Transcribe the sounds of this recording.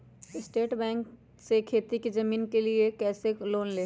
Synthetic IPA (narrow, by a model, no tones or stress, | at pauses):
ɪsʈeːʈbɛ̃ːŋk | sekʰeːt̪ikizɐmiːnkeliekɛːseloːnleː